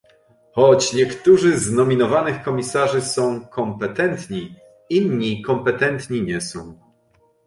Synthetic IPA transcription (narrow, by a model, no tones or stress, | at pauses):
xɔt͡ɕɲɛkt̪uʐɘznɔmʲinɔvanɘxkɔmʲisaʐɘsɔ̃w̃kʰɔmpɛt̪ɛnt̪ɲi | inɲikɔmpɛt̪ɛnt̪ɲiɲɛsɔ̃w̃